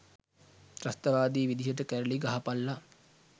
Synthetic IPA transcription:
ɾast̪ɐʋaːd̪iːʋid̪iɦəʈ̬əkæɾəliɡaɦapalːa

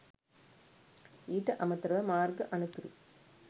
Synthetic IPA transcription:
iːʈːɐʔɐmɐt̪ːɾɐʋɐmaːɾɡɐʔɐnɯt̪ːɯɾɯ̰

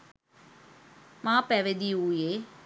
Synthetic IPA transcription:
maːpɛʋed̪iuːjeː

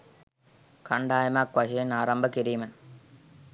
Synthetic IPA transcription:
kɐɳɖaːjɐmaːkʋɐɕenaːɾɐmbɐkiɾiːmɐn

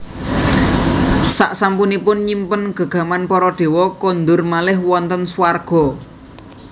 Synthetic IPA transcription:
sa̰ʔsampunipʊnɲimpənɡ̥a̤ɡ̥a̤manpɔɾɔɖ̪̥e̤wɔkond̪ʊrmalɪɦwɔnt̪ənswarɡ̥ɔ̤

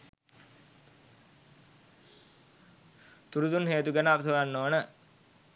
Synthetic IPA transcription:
t̪uɾut̪unɦeːt̪uɡænəaʋəs̬əʋanːoːnə

